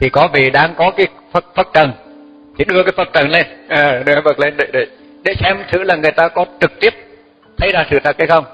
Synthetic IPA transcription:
t̪ʰi˨˩kɔ˨˦vi˨˩ɗaː˧ŋkɔ˨˦kaː˨˦ | fə˨˧˩k̚fə˨˩t̚t͡ɕə˨˩ŋ | t̪ʰi˨˧˩ɗɨ˧əkaː˨˦jfə˨˩k̚t͡ɕə˨˩nle˧nʔaː˨˩˨ɗe˨˦ɛ˧˦və˨˩t̚le˧nɗḛ˧˨ɗe˧˩ | ɗḛ˧˩sɛ˧mt̪ʰɨ̰˧˥laː˨˩ŋɨ˨˩əjt̪aː˧kɔ˨˦t͡ɕɨ˨˩k̚t̪i˦˥əp̚ | t̪ʰə˧jzaː˧˩sɨ̰˧˩t̪ʰə˨˩k̚hjxə˧wŋ͡m

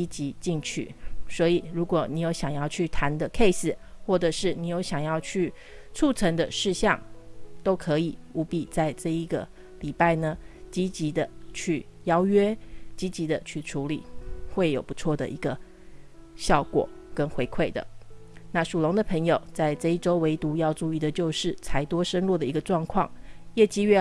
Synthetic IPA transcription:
i˥t͡ɕi˧˥t͡ɕi˥˧ŋt͡ɕʰy̰˥˩swɔ˧˥i˨˩ɻu˧˥kwɔ˨˩ni˧˥jo˧˥ʊɕjɑ˨˩ŋjɑ˥˩˧ʊt͡ɕʰy˥˩t̪ʰa˧˥nd̪ə˨kʰe˥˧ɪs̩˨xwɔ˥˩ʈ͡ʂɤ˨˩ʂɻ̩˥˩ni˧˥jo˧˥ʊɕjɑ˨˩ŋjɑ˥˧ʊt͡ɕʰy˥˩ | t͡sʰu˥˩t͡sʰə˧˥ŋd̪ə̰˧ʂɻ̩˥˧ɕjɑ˥˩ŋt̪o˥ʊkʰɤ˧˦i˨˩u˧˥pi˨˩t͡sa˥˧ɪʈ͡ʂɤ˥˧i˧˥ɡə˨ | li˨˩pa˥˩ɪnə˩t͡ɕi˧˥t͡ɕi˧˥d̪ə˧t͡ɕʰy˥˩jɑ˥ʊɥɛ˥t͡ɕi˧˥t͡ɕi˧˥d̪ə˨t͡ɕʰy˥˩ʈ͡ʂʰu˧˥lḭ˨˩˦xwe˥˩ɪjo˨˩ʊpu˧˥t͡sʰwɔ˥˩d̪ə̰˩ʔi˧˥ɡə˧ | ɕjɑ˥˩ʊkwɔ̰˨˩˦ | kə˦˥nxwe˧˥ɪkʰwe˥˩ɪd̪ə̰˩ | na˥˩ʂu˨˩lʊ˧˥ŋd̪ə˨pʰə˧˥ŋjo˨˩ʊt͡sa˥˧ɪʈ͡ʂɤ˥˧i˥˩ʈ͡ʂo˥ʊwe˧˥ɪt̪u˧˥jɑ˥˧ʊʈ͡ʂu˥˧i˥˩d̪ə˩t͡ɕjo˥˧ʊʂɻ̩˥˩t͡sʰa˧˥ɪt̪wɔ˥ʂə˥nlwɔ˥˩d̪ə˩i˧˥ɡə˧ʈ͡ʂwɑ˥˧ŋkʰwɑ̰˥˩ŋjɛ˥˩t͡ɕi˥ɥɛ˥˩

